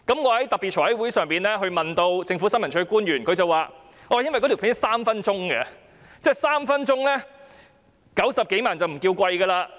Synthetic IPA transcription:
kɐ˨˥mŋɔː˨˧hɐ˨˦˥jt̪ɐ˨k̚pi˨t̚t͡ʃʰɔː˨˩hɐ˨˥jwu˨˥jsœː˨ŋpiː˨˩nlɛː˥ɦɵ˧ɥmɐ˨nt̪o˧wt͡sɪ˧ŋfu˨˥sɐ˥nmɐ˨˩nt͡ʃʰɵ˧˥kuː˥njyː˨˩nkʰɵ˨˧ɥt͡sɐ˨waː˨˩ | ʔɔː˧˨jɐ˥nwɐ˨jkɔ˨˥t̪i˨˩pʰːɪ˥saː˥mfɐ˥nt͡sʊ˥ŋɡɐ˧ | t͡sɛː˥˩saː˥mfɐ˥nt͡sʊ˥ŋlɛː˥ | kɐ˨˥wsɐ˨p̚ke˨˥jmaː˨nt͡sɐ˨wm̩˨˩kiː˧wkʷwɐ˧jɡɐ˧laː˧

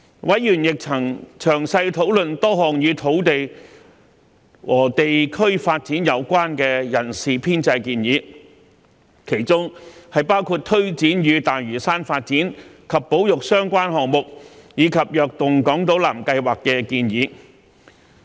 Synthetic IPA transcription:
wɐ˨˥jjyː˨˩njɪ˨k̚t͡sʰɐ˨˩ŋt͡ʃʰœː˨˩ŋsɐ˧jt̪ʰo˨˥wlɵ˨nt̪ɔː˥hɔː˨ŋjyː˨˧t̪ʰo˨˥wt̪e˨j | wʔɔː˨˩t̪e˨jkʰɵ˥ɥfaː˧t̚t͡siː˨˥njɐ˨˧wkʷaː˥nkɛː˧jɐ˨˩nsiː˨pʰiː˥nt͡sɐ˧jkiː˧njiː˨˧ | kʰe˨˩jt͡sʊ˥ŋhɐ˨jpaː˥wkʰuː˧t̚t̪ʰːɵ˥ɥt͡siː˨˥njyː˨˧t̪aː˨jɥyː˨˩saː˥nfaː˧t̚t͡siː˨˥nkʰɐ˨pːo˨˥wjʊ˨k̚sœː˥ŋkʷaː˥nhɔː˨ŋmʊ˨k̚jiː˨˥kʰɐ˨p̚jœː˨k̚t̪ʊ˨ŋkɔː˨˥ŋt̪o˨˥wla̰ː˨˩mkɐ˧jwaː˨kːɛ˧kiː˧njiː˨˥

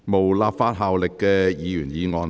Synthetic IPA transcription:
mo˨˩wlaː˧pfaː˧˥t̚ɦaː˨wlɪ˨kːɛː˧jiː˨˧jyː˨˩njiː˨˧ŋɔː˧n

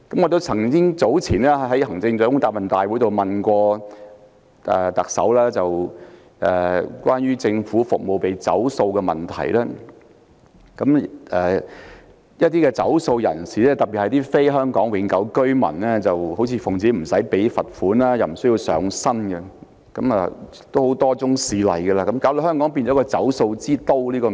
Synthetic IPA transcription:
kɐ˨˥mŋɔː˨˧t̪o˥wt͡sʰɐ˨˩ŋkɪ˥ŋt͡so˨˥wt͡sʰiː˨˩nɛː˥ɦɐ˨˥jhɐ˨˩ŋt͡sɪ˧ŋt͡sœː˨˥kʊ˥ŋt̪aː˧p̚mɐ˨nt̪aː˨jwu˨˥t̪o˨wmɐ˨nkʷɔː˧ | ʔɛ̰˨t̪ɐ˨k̚sɐ̰˨˥wlaː˥t͡sɐ˨w | ʔɛː˨kʷaː˥nɥyː˥t͡sɪ˧ŋfuː˨˥fʊ˨k̚mo˨wpe˨jt͡sɐ˨˥wso˧wkɛ˧mɐ̰˨˩nt̪ʰɐ̰˨˩jlɛː˥ | kɐ˨˥mɛː˨ | jɐ˥t̚t̪iː˥kɛ˧t͡sɐ˨˥wso˧wjɐ̰˨˩nsiː˨ɛː˥t̪ɐ˨˩pi˨hɐ˨jt̪iː˥fe˥jɦœː˥ŋkɔː˨˥ŋwɪ˨˥ŋkɐ˨˧˥wkɵ˥ɥmɐ̰˨˩nlɛː˥t͡sɐ˨who˨˥wt͡sʰiː˨˧fʊ˨˩ŋt͡siː˨˥m̩˨˩sɐ˨˥jpe˨˥jfɐ˨t̚fuː˨˥naː˥jɐ˨˩wm̩˨˩sɵ˥ji˧wsœ̰ː˨˥ŋsɐ˥nɡɛ˧ | kɐ˨˥mɐ˨ | t̪o˥who˨˥wt̪ɔː˥t͡sʊ˥ŋsiː˨˧lɐ˨jɡɛ˧laː˧kɐ˨˦˥mkaː˨˥wlo˨hœː˥ŋkɔː˨˥ŋpiː˧nt͡ʃɔː˨˥kɔː˧t͡sɐ˨˥wso˧wt͡siː˥t̪o˥wliː˥kɔː˧

